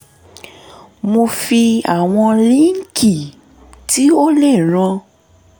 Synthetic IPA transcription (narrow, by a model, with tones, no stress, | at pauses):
mo˧fi˧a˨w̃ɔ̃˧lĩ˦ŋ̩˦kʰi˦˨ | ti˦o˦lɛ˦˨ɾ̃ã˧